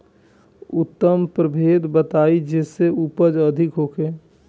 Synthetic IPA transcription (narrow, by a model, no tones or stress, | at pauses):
ʊt̪ːəmpɾəbʱeːd̪bət̪aːid͡ʒeːseupəd͡ʒəd̪ʱɪkɦoːkʰe